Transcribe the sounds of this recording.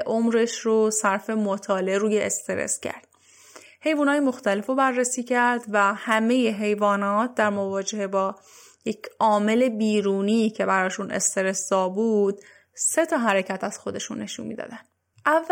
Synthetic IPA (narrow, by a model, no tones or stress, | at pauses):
ʔomɾe̞ʃrosæɾfe̞mot̪ʰɒːleɾuːjeʔest̪e̞ɾḛscʰæ̰ɾd̪̥ | he̞jvuːnhɒːjemo̞xt̪æle̞fobærːesiːcʰæɾd̪væhæme̞je̞ɦe̞jvɒːnɒːt̪̚d̪æɾmovɒːd͡ʒe̞hebɒː | jecʰʔɒːme̞le̞biːɾuːniːcʰe̞bæɾɒːʃunʔe̞̰st̪e̞ɾe̞sd̪ɒːbuːd̪̚ | se̞t̪ʰɒːɦæɾecʰæt̪æz̥xo̞d̪e̞ʃṵnːe̞ʃṵnmḭːd̪ɒ̰ːd̪ænd̪ | ʔævː